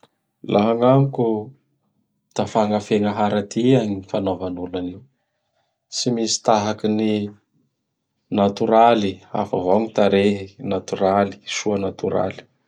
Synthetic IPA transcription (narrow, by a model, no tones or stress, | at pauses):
laɦaŋaŋku | t̪afaŋafeŋəɦaɾat̪iaɲinifanovanulaniw | simisi̥t̪aɦakini | nat̪uɾalia̰favaŋit̪aɾeɦinat̪uɾali̥ʃuanat̪uɾa̰li̥